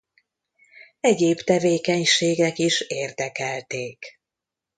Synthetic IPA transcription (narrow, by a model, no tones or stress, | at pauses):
ɛɟeːbt̪ɛveːkɛɲʃeːɡɛkiʃeːrd̪ɛkɛlt̪eːk